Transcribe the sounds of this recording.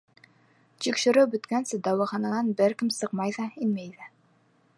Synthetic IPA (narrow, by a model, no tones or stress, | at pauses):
t̪ikʃɘ̆ɾɘwbɵ̆t̪kænsɘd̪ɑwɤ̆χɑnɑnɑnbɘɾkɘmsɤqmɑjðɑinmæjðæ